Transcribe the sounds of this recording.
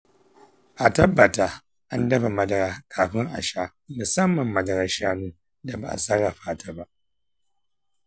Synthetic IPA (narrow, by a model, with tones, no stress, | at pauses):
ʔa˨tɐ˦bːɐ˨taː˦ | ʔa˦ndɐ˦ba˨mɐ˦dɐ˨ɾaː˦kʰaː˨ɸɪ˦ŋʔa̰˨ʃaː˦ | mʊ˨sɐ˦mːɐ˨mːɐ˦dɐ˨ɾa˦ʃaː˦nu˦ | da˨ba˨ʔa̰˨sɐ˦ɾa˨ɸaː˦taː˦ba˦ʔ